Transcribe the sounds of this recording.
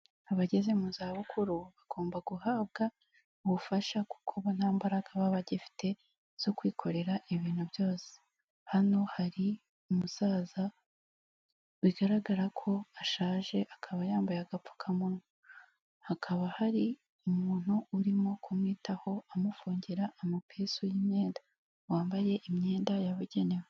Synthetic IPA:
aβaɟe̞ze̞muzaβukʰuɾuβaɡ̥o̞ːmbaɡuhaːb̚ɡa | uβufaʃaku̥kʰoβonhaːmbaɾaɡaβaβaɟifi̥tʰe̞ | z̥o̞kwiːkʰo̞ɾe̞ɾaʔiβiːn̥huβjo̞ːse̥ | hano̞haɾi | umusaːza | wiɡaɾaɡaɾakʰo̞aʃaːʒe̞ʔakʰaβajaːmbajaɡafu̥kʰamunu | hakʰaβahaɾi | umuːn̥uːɾimo̞kʰumŋiːtaho̞amufuːɲɟeɾaʔamapʰesujimɲe̞ːnda | waːmbaje̞ʔimɲe̞ːndajaβuɟe̞ne̞we

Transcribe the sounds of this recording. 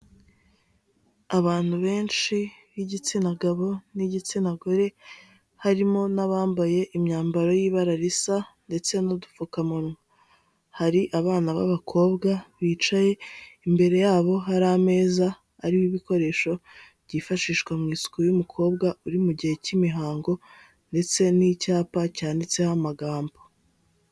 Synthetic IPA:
aβaːn̥huβe̞ːnʃiβiɟit͡sinaɡaβo̞niɟit͡sinaɡoɾe̞ | haɾimo̞naβaːmbaje̞ʔimɲaːmbaɾo̞jiːβaɾaɾisande̞t͡se̞nodufukamuɾŋa | haɾiʔaβaːnaβa̰βakʰo̞ːbɡaβiːt͡ʃaje̞imbe̞ɾe̞jaːβo̞ɦaɾame̞ːzaː | ɾiwiβiko̞ɾe̞ːʃo̞βɟifaʃiːʃkwamŋiːsu̥kojumukʰo̞ːbɡauɾimuɟihe̞cimiɦaːŋɡo̞ | nde̞t͡se̞nicaːpacaːndit͡se̞hamaɡaːmbo

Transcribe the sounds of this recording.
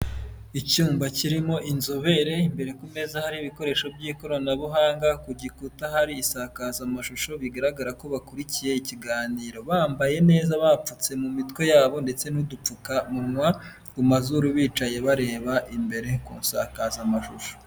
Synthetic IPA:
icuːmbaciɾimo̞ʔinzoβe̞ɾe̞imbe̞ɾe̞kume̞zahaɾiːβiko̞ɾe̞ːʃo̞bɟiːko̞ɾonaβuɦaːŋɡakuɟikutaɦaɾiːsakazamaʃuʃo̞βiɡaɾaɡaɾako̞βakuɾicije̞iciɡaːniːɾo̞βaːmbaje̞ne̞ːzaβap͡fut͡se̞mumitkwe̞jaːβo̞nde̞t͡se̞nudup͡fukamunwa | kumazuɾuβiːt͡ʃaje̞βaɾe̞ːβaʔimbe̞ɾe̞kṵːnsa̰kazamaʃuʃo̥

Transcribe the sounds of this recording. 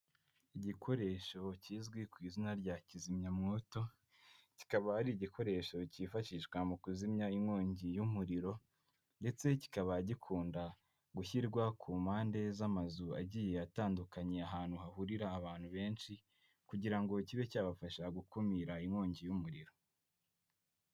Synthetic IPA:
iɟikʰo̞ɾe̞ʃo̞ciːzɡwikwiːzinaɾɟacizimɲamŋoto̞ | ci̥kaβahaɾiɟikʰo̞ɾe̞ːʃo̞cifaʃiʃkwamukuzimɲaimŋoːɲɟijumuɾiɾo̞ | nde̞t͡se̞ci̥kaβaɟikʰuːnda | ɡuçiɾɡwakʰuːmaːnde̞zamazua̰ɟiːje̞ataːndukaɲe̞aɦaːn̥huhaɦuɾiɾaːβaːn̥huβe̞ːnʃi | kuɟiɾaŋɡo̞ciβe̞caːβafaʃaɡukumiɾaimŋo̞ːɲɟijumuɾiɾo̞

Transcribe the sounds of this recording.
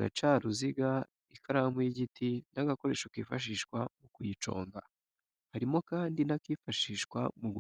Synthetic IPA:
ɾa̰t͡ʃaːɾuziɡa | ikʰaɾamwiɟitinaɡako̞ɾe̞ʃukiːfaʃ̬iːʃkwamukujit͡ʃo̞̰ːŋɡa̰ | haɾimo̞kaːndinakiːfaʃiːʃkwa̰muɡu

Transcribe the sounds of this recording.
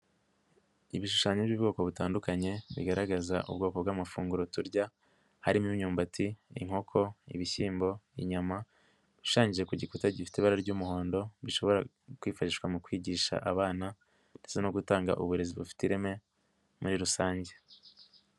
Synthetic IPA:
iβiʃu̥ʃaːɲebjuːbɡo̞ːko̞βutaːndukaɲe̞βḭɡaɾaɡazaʔṵbɡo̞ːko̞bɡaːmafuːŋɡuɾotuɾɟa | haɾimiɲuːmbatʰḭːŋ̥ho̞kʰo̞ḭβiçiːmbo̞iɲama | βiʃaːɲɟiʒe̞kuɟikutaɟifi̥tiβaɾaɾɟuːmuho̞ːndo̞βiʃo̞βo̞ɾa̰ | kwiːfaʃiʃkwamukwiːɟiːʃa̰ʔaβaːna | nd̥e̞t͡se̞noɡutaːŋɡa̰ʔuβuɾe̞ziβufi̥tiɾeme̞ | muɾiɾusaːɲɟe̞

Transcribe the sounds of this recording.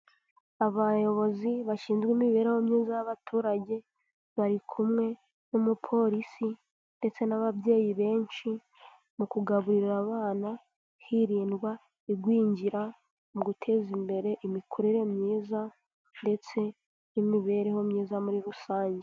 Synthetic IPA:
aβajo̞βo̞ziβaʃiːnzɡwiːmiβe̞ːɾe̞ho̞mɲiːzajaβatʰuːɾaɟe | βaɾikʰumŋe̞ | nomupʰo̞ɾisi | nde̞t͡se̞naβabje̞ːjiβe̞ːnʃi | mukuɡaβuɾiɾɾaβaːna | hiɾiːndɡwa | iɡwiːɲɟiɾa | muɡutʰe̞ːzimbe̞ɾe̞ʔimikʰoɾeɾe̞mɲiːza | nde̞t͡se̞ | imiβe̞ːɾe̞ho̞mɲiːzamuɾiɾusaːɲɟe

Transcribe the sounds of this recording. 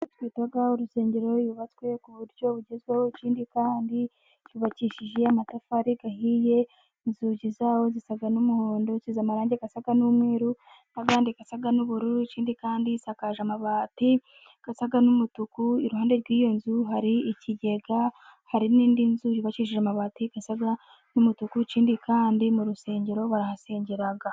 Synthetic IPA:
twiːtaɡauɾuse̞ːɲɟe̞ɾo̞juβat͡swe̞kuβuɾɟjo̞βuɟezɡwewociːndikaːndi | t͡ʃuβaciʃiʒe̞amatafaɾiɡahiːje̞ | inzuɟizaːwo̞zisaɡanumuho̞ːndo̞t͡ʃiːzamaɾaːɲɟe̞ɡasaɡanumŋe̞ːɾu | naβaːndiɡasaɡanuβuɾuɾit͡ʃiːndikaːndisakaʒamaβaːti | ɡ̥asaɡanumutukuiɾuhaːnde̞ɾɡwiːjo̞nzuɦaɾiiciɟe̞ɡahaɾiniːndinzujiβat͡ʃiʃ̬iʒamaβaːtiɡ̥asaɡa | numutukut͡ʃiːndikaːndimuɾuse̞ːɲɟe̞ɾo̞βaɾahase̞ːɲɟeɾaɡa

